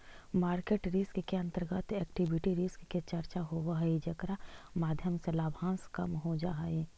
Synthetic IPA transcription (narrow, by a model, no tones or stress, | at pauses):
maːɾkeːʈɾiskkeɐ̃nt̪əɾɡət̪ɛːkʈibɪʈiɾiskːet͡ʃɐɾt͡ʃaɦoʋaɦid͡ʒɐkɾamaːd̪ʱjəmselaːbʱãːskɐmɦod͡ʒaːeː